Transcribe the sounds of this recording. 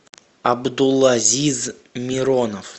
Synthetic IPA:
abd̪ulˠazʲizmʲiɾonof

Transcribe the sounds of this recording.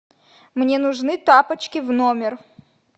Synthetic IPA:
mnʲenʊʐnɨt̪apət͡ɕkʲɪvnomʲɪr

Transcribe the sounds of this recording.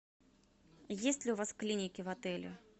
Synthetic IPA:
jesʲtʲlʲɪʊvasklʲinʲɪkʲɪvat̪ɛlʲʊ̰

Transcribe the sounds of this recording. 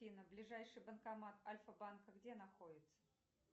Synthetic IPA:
inəblʲɪʐajʂɨjbənkɐmat̪ɐlʲfəbankəɡdʲenɐxodʲɪt̪sə̥

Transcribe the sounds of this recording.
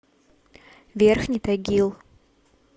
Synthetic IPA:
vʲerxnʲit̪aɡʲilˠ

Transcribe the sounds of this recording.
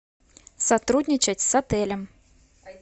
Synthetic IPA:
sat̪ɾud̪ʲnʲit͡ʃɐt͡sʲsat̪ɛlʲɐm

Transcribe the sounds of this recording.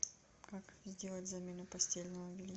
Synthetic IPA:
kakzʲdʲe̞lˠətʲzɐmʲenʊpɐsʲtʲelʲnəvəvʲɪlʲ

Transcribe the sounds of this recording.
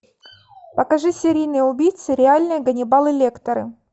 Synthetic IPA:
pəkɐʐɨsʲɪɾʲijnɨjəʊbʲijt̪sɨɾʲɪalʲnɨjəɡənʲɪbalˠɨlʲekt̪əɾɨ̰

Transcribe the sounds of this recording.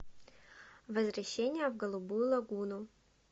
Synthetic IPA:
vəzvɾɐɕːenʲɪjəvɡəlˠʊbujʊlˠɐɡunʊ

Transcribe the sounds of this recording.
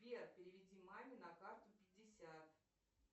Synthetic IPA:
pʲerpʲɪɾʲɪvʲɪdʲimamʲɪnɐkart̪ʊpʲɪdʲːɪsʲat̪

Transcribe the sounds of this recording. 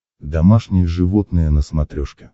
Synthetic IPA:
d̪ɐmaʂnʲɪjəʐɨvot̪nɨjənəsmɐt̪ɾʲoʂkʲɪ̥

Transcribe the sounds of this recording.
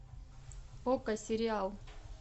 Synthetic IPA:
okasiɾiaw

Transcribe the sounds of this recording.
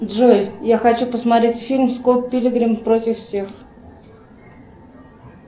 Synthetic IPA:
d̪ʐojjaxɐt͡ɕupəsmɐt̪ɾʲetʲfʲilʲmskolˠt̪̚pʲɪlʲɪɡɾʲɪmpɾotʲɪfsʲex

